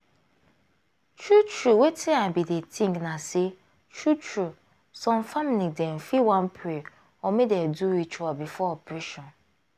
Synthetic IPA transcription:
tʰɹut͡ʃʰɹuwetʰiãnbidetʰĩŋɡnãse | tʰɹut͡ʃɹu | sɔ̃mfamlidɛ̃n̩fiwãnpʰe | ɔmĩdɛduwit͡ʃuabifɔɔpʰɾiʃɔ̃n

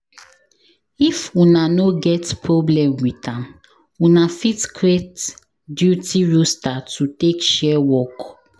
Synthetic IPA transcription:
ifunanoɡɛtpʰɹɔblɛ̃mwitãm | unafitkɹet | djutiɹostatutekʃɛwɔk

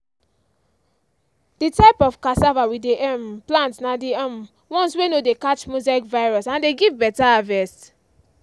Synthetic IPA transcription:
ditaɪpɔfkasavawideʔɛmplãntnadiɛ̃m | wɔ̃nswenodekat͡ʃmuzaikvaɪɹɔsãndeɡivbɛtaavɛs

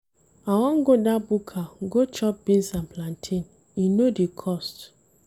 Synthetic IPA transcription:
awɔ̃nɡodabukʰaɡot͡ʃɔp̚bĩnsãmplãntʰĩn | inodikʰɔst

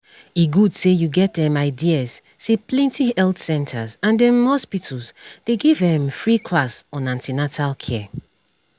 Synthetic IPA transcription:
iɡudsejuɡɛt̚dɛ̃maɪdiaz̥ | seplɛ̃ntʰiɛltsɛ̃ntʰazãndɛ̃mhɔspitʰlzd̥eɡevɛ̃mfɹikʰlasɔ̃nãntinatʰalkʰɛ

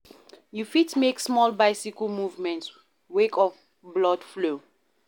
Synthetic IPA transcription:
jufitmeksmɔlbaɪsikəmuvmɛ̃nts | wekʰɔf | blɔdflo

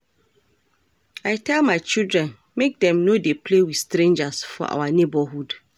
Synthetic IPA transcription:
aɪtʰɛlmãɪt͡ʃildɹɛ̃n | mek̚dɛ̃mnodepʰlewiθstɾẽnd͡ʒasfɔ̰ʔa̰wanebɔɦud

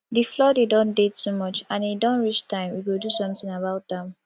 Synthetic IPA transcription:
diflɔdedɔ̃ndedsumɔt͡ʃãnedɔ̃nɹit͡ʃtʰãɪ̃mwiɡodusɔ̃mtĩŋabaʊt̚dɛ̃m

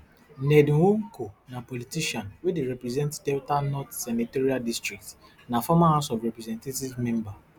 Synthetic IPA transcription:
nɛd̃hoŋkonapɔlitiʃãnwedeɾɛpɾɛzɛ̃ntdɛwtanɔtsɛniteɾiadistɹik̚t | nafɔmahãsɔfɹɛpɾɛzɛ̃ntativmɛ̃mba

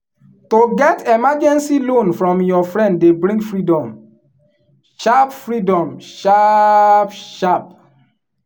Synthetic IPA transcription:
toɡɛtɛmad͡ʒɛ̃nsilõnfɹɔ̃mjɔfɹɛ̃nddebɹĩŋɡfɹidɔ̃m | ʃapfɹidɔ̃mʃa | pʃap

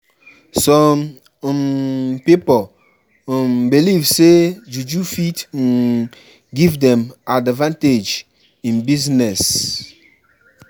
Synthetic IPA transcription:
sɔm | mpipo | mbilivsed͡ʒud͡ʒufit | ɡivdɛ̃madvãnted͡ʒ | ĩnbiznɛs

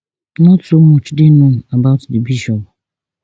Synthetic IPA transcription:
nɔtomot͡ʃdɪnũabaʊtdɪbiʃɔb

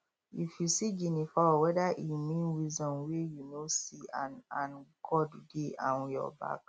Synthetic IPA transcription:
ifjusiɡinifawɛdaʔimĩnwizɔ̃nwejunosianãnɡʰɔddeʔãnjɔ̰ba̰k̚

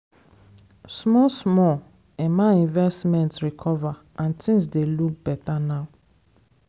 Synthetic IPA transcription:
smɔsmɔ | ɛmaĩnvɛstmɛ̃ntɹikʰɔva | ãntʰĩŋsdeluk̚b̥ɛtanaʊ

